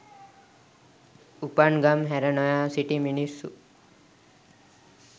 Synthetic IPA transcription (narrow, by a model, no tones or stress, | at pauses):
upaɳɡamɦɛɾənɔjasiʈiminisṵ